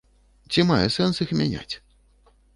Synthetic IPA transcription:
t͡sʲimajɛsɛnsixmʲanʲa̰t͡sʲ

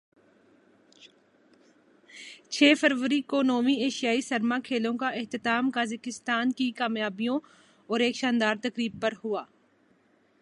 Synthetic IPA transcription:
t͡ʃʰeːfɐɾʋəɾikonoːmieːʃijaːisɐɾmakʰeːlõkaʔɪht̪ɪt̪aːmkaːzɪkɪst̪aːnkikaːmjaːbijõ | ɔːɾeːkʃãːnd̪aːɾt̪ɐkɾiːb̚pɐɾɦuaː

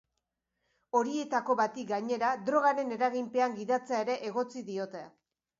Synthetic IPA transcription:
o̞ɾie̞t̪ako̞βat̪ikɡaɲe̞ɾad̪ɾo̞ɣaɾe̞ne̞ɾaɣimpe̞aŋɡiðat͡seaeɾe̞ʔeɣ̞o̞t͡siðio̞t̪e̞

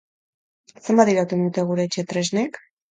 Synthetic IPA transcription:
sembaðiɾat̪und̪ut̪e̞ɣuɾe̞ːt͡ʃe̞t̪ɾeznek

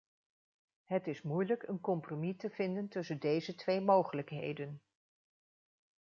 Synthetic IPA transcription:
ɦətɪsmujləkənkɔmpromitəvɪndəntɵsəndejzətʋejmowχələkɦḛjdən

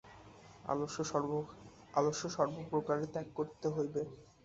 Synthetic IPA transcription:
a̰o | aloʃoʃɔɾbopɾokaɾet̪ɛkːoɾt̪eɦojbe

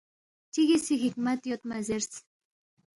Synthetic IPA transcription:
t̪ʲiɣʲesiɣikmæt̪jot̪mæzers

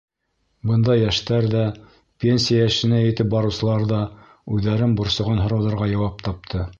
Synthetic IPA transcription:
bɤnd̪ɑjːæʃt̪æɾðæ | pʲenʲsʲijajæʃɘ̆næjɘ̆t̪ɘp̚bɑɾɤ̆wsɤ̆lˠɑɾðɑ | ʉðæɾɘnbŏɾsɤ̆ʁɤnɦŏɾɑwðɑ̆ɾʁɑjɑwɑp̚t̪ɑp̚t̪ʰɤ

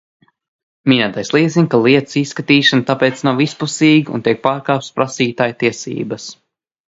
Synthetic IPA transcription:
mʲinʲaːt̪ajslˠiɛziɲkalˠiɛt̪sisːkat̪iːʃant̪apɛːt̪snawispusiːɡṵnt̪ʲiɛk̚paːɾkaːp̚t̪spɾasiːt̪aːjt̪iɛsḭːbɐs

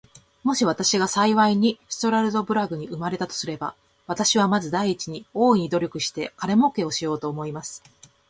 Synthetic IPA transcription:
mo̞ɕiβ̞at̪aɕiɡasaiβaiɲ̟ist̪o̞ɾaɾɯ̟d̪o̞bɯ̟ɾaɡɯ̟ɲ̟iɯ̟maɾe̞t̪at̪o̞̥sɨɾe̞ba̰ | β̞at̪aɕiβamazɨd̪aiːt͡ɕiɲ̟io̞ːiɲ̟id̪o̞ɾʲo̞kɯ̟ɕi̥t̪e̞kaɾe̞mo̞ke̞o̞ɕijo̞ːt̪o̞ːmo̞imasɨ̥

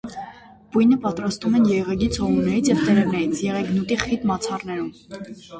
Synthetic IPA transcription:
bujnəpɑt̪ɾɑst̪umɛnjɛʁɛɡit͡sʰhɔʁunɛɾit͡sʰjɛvt̪ɛɾɛɾnɛɾit͡sʰjɛʁɛɡnut̪iχit̪mɑt͡sʰɑrnɛɾum

